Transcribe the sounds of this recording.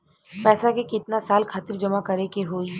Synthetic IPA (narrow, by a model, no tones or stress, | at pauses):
pɛːsakekɪt̪nasaːlkʰaːt̪ɪɾd͡ʒɐmakɐɾekeɦoːi